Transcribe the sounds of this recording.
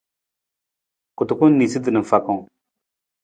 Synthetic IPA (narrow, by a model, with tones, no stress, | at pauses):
ku˨tu˨ku˦ni˨si˦də˨nə˨fa˨ko˨ŋ